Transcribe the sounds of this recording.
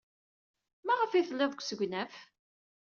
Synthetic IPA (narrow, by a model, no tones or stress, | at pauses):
mæʁəfiθəlːɪðˤkʷːsəɡʷnæf